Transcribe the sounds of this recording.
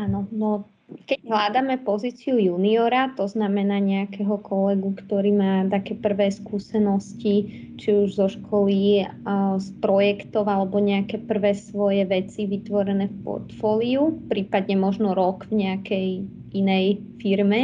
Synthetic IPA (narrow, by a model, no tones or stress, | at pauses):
aːnɔnɔ | kɛɟɦlaːd̪amɛpɔziːt͡siujuːniɔɾat̪ɔznamɛnaːɲɛakɛɦɔkʰɔlɛɡukt̪ɔɾiːmaːt̪akɛːpr̩ʋɛːskuːsɛnɔsci | t͡ʃiuʒzɔʃkʰɔli | spɾɔjɛkt̪ɔʊalɛbɔɲɛakɛpr̩ʋɛːsʋɔjɛʋɛt͡siʋit̪ʋɔɾɛnɛːfpɔ̰ɾt̪fɔːliupɾiːpad̪ɲɛmɔʒnɔɾɔkvɲɛakɛj | ʔinɛjfiɾmɛ